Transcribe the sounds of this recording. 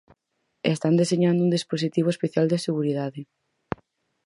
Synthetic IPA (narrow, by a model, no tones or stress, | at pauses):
est̪and̪eseɲand̪ʊund̪isposit̪iβ̞oespeθjald̪eseɣuɾiðaðɪ